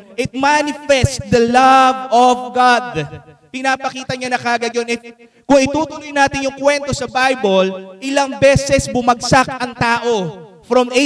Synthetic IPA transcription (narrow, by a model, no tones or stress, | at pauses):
ʔɪt̪̚manɪfɛst̪̚d̪ɐlɐvɔvɡad̪ | pɪnaːpɐkiːt̪ɐɲanɐkaːɡɐjonɪ | kʊŋɪt̪uːt̪ʊnojnaːt̪ɪnjʊŋkwɛnt̪o̞sɐbajbolʔɪlɐŋbɛːsɛsbʊmɐɡsakɐŋt̪aːʔo̞ | fɾomʔe